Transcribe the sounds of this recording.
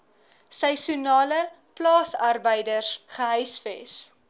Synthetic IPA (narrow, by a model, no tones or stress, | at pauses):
səjsunɑːlə | plɑːsɐrbəjdərsχəɦœjsfɛ̰s